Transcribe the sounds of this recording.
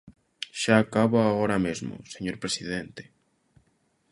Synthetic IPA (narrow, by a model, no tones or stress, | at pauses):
ʃaːkaβoaɣoɾamezmʊ̰seɲoɾpɾesið̞ent̪e̥